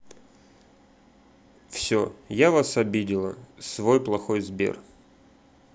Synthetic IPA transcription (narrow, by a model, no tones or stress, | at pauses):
fsʲojavasɐbʲidʲɪlˠə̰svo̞jplˠɐxo̞jzbʲḛr